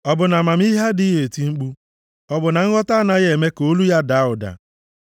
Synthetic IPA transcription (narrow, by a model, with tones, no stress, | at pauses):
ɔ˨bʊ˨na˨ma˨m̩˦i˦ɦa˦di˦je˨ti˦ŋ͡m̩˦k͡pu˦ | ɔ˨bʊ˨na˨ŋ̩˦ɣɔ˦ta˦na˦ɣe˨me˦ko˦lu˦ja˦da˨˦ʊ˨da̰˨